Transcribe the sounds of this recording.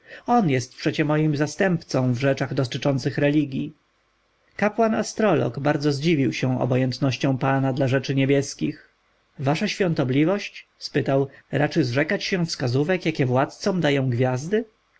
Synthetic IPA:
ɔnjɛst̪̚pʂɛt͡ɕɛmɔjimzast̪ɛmpt̪sɔ̃w̃vʐɛt͡ʂaɣd̪ɔt̪ɘt͡ʂɔnt̪sɘxɾɛlʲiɡʲji | kapwanast̪ɾɔlɔ̰ɡbaɾd̪zɔzd͡ʑivʲiwɕɛ̃w̃ɔ̰bɔjɛnt̪nɔɕt͡ɕɔ̃w̃panad̪laʐɛt͡ʂɘɲɛbʲjɛskʲix | vaʂaɕfʲjɔ̃nt̪ɔblʲivɔɕt͡ɕspɘt̪awɾat͡ʂɘzʐɛkat͡ɕɕɛfskazuvɛkjakʲɛvwat̪̚t̪sɔ̃md̪ajɔ̃w̃ɡvʲjazd̪ɘ

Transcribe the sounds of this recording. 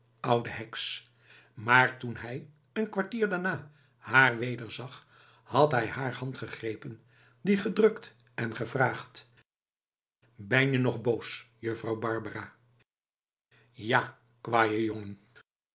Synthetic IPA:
ʔʌwdəɦɛks | maːɹtunɦɛj | ənkʋaɹtiːɹdaɹnaː | haːɹʋejdəɹzɑχ | hɑtɦɛjhaːɹhɑntχəχrejpən | diχədrɵkt | ɛnχəvraːχt | bɛnjənɔχbowsjəfrɑwbɑɹbəraː | jaː | kʋaːjəjoŋən

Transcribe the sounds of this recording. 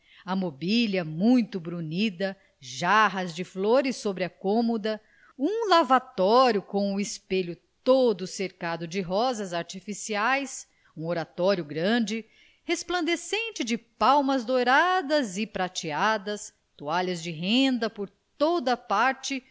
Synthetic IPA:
ɐmobilɐmũj̃t̪ʊbɾunid̪ɐ | ʒaɦɐzd͡ʒɪfloɾɪsːobɾɪɐkõmod̪ɐ | ũlavat̪ɔɾjʊkõw̃ʊɪspeʎʊt̪od̪ʊseɾkad̪ʊd͡ʒɪɦɔzɐzaɾt͡ʃifisiajs | ũoɾat̪ɔɾjʊɡɾɐ̃d͡ʒɪ | hesplɐ̃nd̪esẽnt͡ʃɪd͡ʒɪpawmɐzd̪oɾad̪ɐzɪpɾat͡ʃiad̪ɐs | t̪uaʎɐzd͡ʒɪɦẽnd̪ɐpoɾ | t̪od̪ɐpaɾt͡ʃɪ

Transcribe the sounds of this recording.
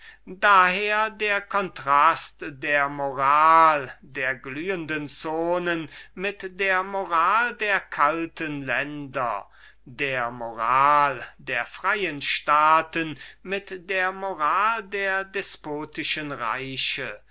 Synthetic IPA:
daheːɐdeːɐkʰɔntʁ̥astdeːɐmoʁaːldeːɐɡlyːəndənt͡soːnənmɪtdeːɐmoʁaːldeːɐkʰaltənlɛndɐ̰ | deːɐmoʁaːldeːɐfʁ̥aɪjənʃtaːtənmɪtdeːɐmoʁaːldeːɐdɛspoːtɪʃənʁa̰ɪɕə

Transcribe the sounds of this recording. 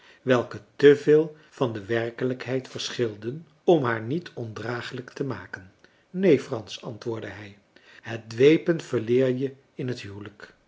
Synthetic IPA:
ʋɛlˠkətəveːlˠ | v̥ɑndəʋɛrkələkɦɛjtfəɹsχɪlˠdən | ɔmɦaːɹnitɔndraːχələktəmaːkən | nejfrɑnsɑntʋʊːɹdəɦɛj | ɦət̚dʋejpənv̥əɹlɪːɹjə | ɪnɦətɦywlək

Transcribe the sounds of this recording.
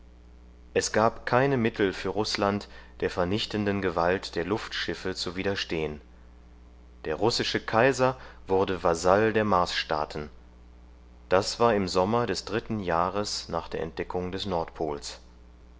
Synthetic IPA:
ʔɛsɡ̥aːpkʰaɪnəmɪtʰl̩fyːɐʁʊslantd̥eːɐfɛɐnɪçtndənɡəvaltd̥eːɐlʊftʃɪfət͡suviːdɐʃteːən | d̥eːɐʁʊsɪʃəkʰaɪzɐvʊɐdəvazaldeːɐmaɐsʃta̰ːtn̩ | d̥asv̥aːɐɪmzɔmɐdɛsd̥ʁɪtn̩jaːʁəsnaːχd̥eːɐɛ̰nt̚d̥ɛkʰʊŋdɛsnɔɐtpʰoːls

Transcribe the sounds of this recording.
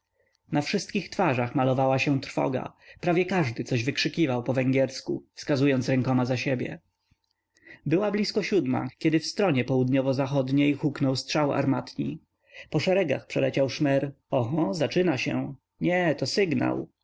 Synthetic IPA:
nafʂɘst̪̚kʲixt̪faʐaxmalɔvawaɕɛ̃t̪ɾfɔ̰ɡa̰pɾavʲjɛkaʐd̪ɘt̪sɔʑvɘkʂɘkʲivawpɔvɛŋɡʲɛɾskufskazujɔnt̪sɾɛŋkɔmazaɕebʲjɛ̰ | bɘwablʲiskɔɕud̪ma̰kʲɛd̪ɘfst̪ɾɔɲɛpɔwud̪ɲɔvɔzaxɔd̪ɲejxuknɔwstʂawa̰ɾmat̪ɲi | pɔʂɛɾɛɡa̰xpʂɛlɛt͡ɕawʂmɛɾ | ɔɦɔzat͡ʂɘnaɕɛ̰ | ɲɛt̪ɔsɘɡna̰w

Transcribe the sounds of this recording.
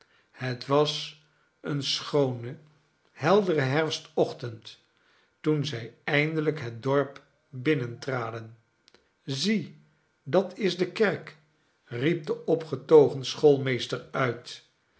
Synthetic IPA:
hətʋɑs | ənsχownə | hɛlˠdərəɦɛɹfstɔχtənt | tunzɛjɛjndələkɦət̚dɔɹp | bɪnəntraːdən | zi | dɑtɪzdəkɛɹk | rip̚dəɔpχətowχənsχolˠmejstəɹœɥt

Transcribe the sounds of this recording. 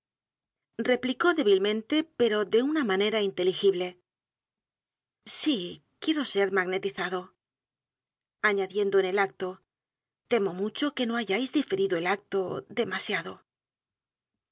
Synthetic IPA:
re̞pliko̞ðe̞β̞ilmẽ̞nt̪e̞pe̞ɾo̞ðe̞unamane̞ɾaint̪e̞lixiβle̞ | si | kje̞ɾo̞se̞ɾmaɣne̞t̪iθaðo̞ | aɲaðje̞nd̪oene̞lak̚t̪o̞ | t̪e̞mo̞mut͡ʃo̞ke̞no̞aʝajzðife̞ɾiðoe̞lak̚t̪o̞ðe̞masjaðo̞

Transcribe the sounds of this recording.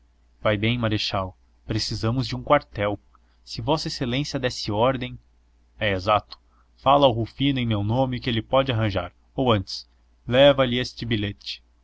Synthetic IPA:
vajbẽj̃maɾeʃaw | pɾesizɐ̃mʊzd͡ʒɪũkwaɾt̪ɛw | sɪvɔsɐeselẽsjɐd̪ɛsɪɔɾd̪ẽj̃ | ɛezat̪ʊ̥ | falɐʊɦufĩnʊẽj̃mewnõmɪkɪelɪpɔd͡ʒɪaɦɐ̃ʒaɾ | owɐ̃nt͡ʃɪ̥s | lɛvɐlɪest͡ʃɪbilet͡ʃɪ̥

